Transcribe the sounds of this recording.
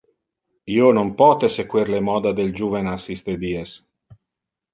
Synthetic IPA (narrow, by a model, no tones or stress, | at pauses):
ionompɔːt̪esekwiɾlemɔːd̪ad̪eld͡ʒuːvenasist̪ed̪ies